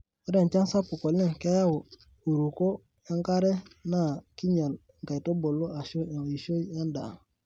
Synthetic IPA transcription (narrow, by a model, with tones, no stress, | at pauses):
ɾe˨nt͡ʃa˦nsa˦pu˨ko˨le˦ŋke˦ja˦wo˨ | u˨ɾu˨ko˦ | a˦ŋka˦ɾe˦na˦˨ki˦ɲa˨l | ŋ˨ka˨i˨to˦bo˨lːo˦a˨ʃo˦˨i˨ʃo˦jja˦nda̰˨